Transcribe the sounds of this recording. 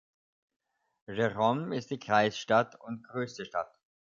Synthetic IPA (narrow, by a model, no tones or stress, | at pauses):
ʒeʁɔmɪst̚d̥iːkʁ̥aɪsʃtatʊntɡ̥ʁøːstəʃta̰t